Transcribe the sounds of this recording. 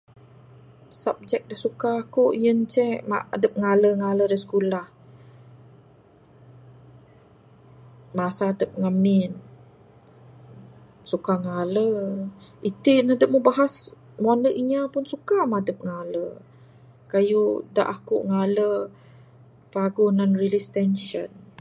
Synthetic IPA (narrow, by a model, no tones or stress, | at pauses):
sap̚d͡ʒɛk̚dahsukaːkoʔjənt͡ʃɛma̰a̰dəp̚ŋaləŋaləɾəsə̥kulah | masaːdəp̚ŋamin | sukaŋalə | it̪inadəp̚məbaɦas | muanəʔiɲapʊnsukamadəp̚ŋalə | kajuda̰ʔakṵʔŋalə | paɡunanrilist̪ɛnʃən